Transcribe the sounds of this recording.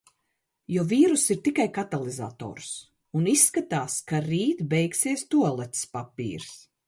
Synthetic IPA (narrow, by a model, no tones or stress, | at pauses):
juviːɾusiɾt̪ikajkat̪alˠiza̰ːt̪ɔ̰ːɾs | unisːkat̪aːskaɾiːt̪bɛjksiɛst̪uɔlˠɛt̪spapḭːɾs